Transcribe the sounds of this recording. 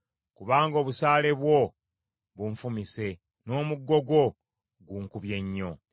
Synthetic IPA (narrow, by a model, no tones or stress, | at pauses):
kuβaːŋɡo̞ːβusaːle̞βwo | βuɱfumise̞ | no̞ːmuɡːo̞ɡwo̞ | ɡuŋkuβje̞ɲːo̞